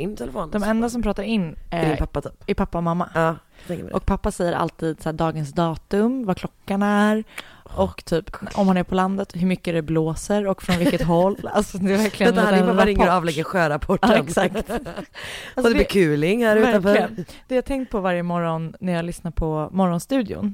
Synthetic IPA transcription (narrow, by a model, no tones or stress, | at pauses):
ɪnt̪ʰɛlɛfoːnd̪ɔmɛnd̪asɔmpʰɾɑːt̪aɾɪnːdɪnpʰapːat̪ʰyːpɪpʰapːaɔmamːaɑːt̪ʰɛŋkə̰ʔɔ̰k̚pʰapːasɛjːəɾʔa̰lt̪ʰiːd̪sæːɖɑːɡənsd̪ɑːt̪ɵmvakʰlɔkːanæɾɔkːt̪ʰyːpɔmhanæɾpʰɔland̪ət̪ɦɵmʏkːəd̪ɛbloːsəɾɔkfɾɔnvɪlkːət̪ɦɔlːalsɔd̪ɛɾvæɾkʰlɪɡənɾɪŋːəɾavlɛɡənɧœːɾapʰɔʈːɛksak̚t̪ | alsɔd̪ɛd̪bɪkʰʉ̟ːlɪŋhæɾʉːvæɾafɔlɪənd̪̥ɛjat̪ʰɛŋkt̪̚pʰɔvaɾjəmɔɾɔnːæɾjalʏsnapʰɔmɔɾɔnst̪ʉ̟ːd̪ɪʊ̰n